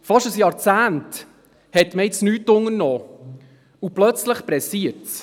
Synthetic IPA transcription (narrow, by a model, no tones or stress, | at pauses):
fɑʃəsjɑːɾt͡sæːnt | hɛtməɪt͡snyːtːʊŋəɾnɔː | uplœt͡sləχpɾɛsiəɾt